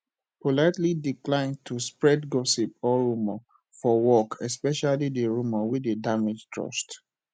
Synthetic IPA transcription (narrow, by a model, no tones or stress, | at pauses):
polaɪtlidiklãɪ̃n̚tʰuspɹɛdɡɔsip̚ɔɹumə | fɔwɔkʰɛspɛʃalideɹuməwidedamid͡ʒtɹɔ̰ʃt